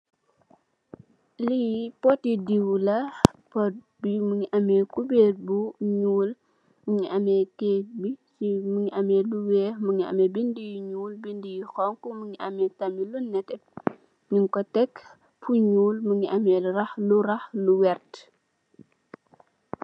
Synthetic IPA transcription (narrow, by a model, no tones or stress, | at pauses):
lijpɔtidiwlɐpɔ | bimuɲiʔɐmɛkubet̚buɲuːl | muŋiʔɐmɛtebisimuŋiʔɐmɛːluwɛːmuŋiɐ̰mɛbindijiɲuːlbindijixɔŋkumuŋiʔɐmɛtɐmilunːɛtɛ | ɲiŋkɔtɛkː | pʰuɲuːlmuŋiʔɐmɛrɐxluɾɐxluwɛrt